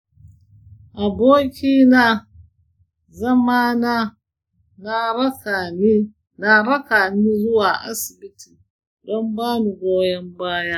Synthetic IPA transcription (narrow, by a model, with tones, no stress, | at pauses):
ʔa˨boː˦kʲiː˦na˦ | zɐ˦ma˦na˦ | na˦ɾɐ˦ka˨ni˦ | na˦ɾɐ˦kaː˨niː˦zʊ˦waː˨ʔa̰˦sɪ˨bɪ˦tʰiː˨ | dɔ˦mbaː˦mu˨ɡʷoː˦jɐ˦mbaː˦jaː˦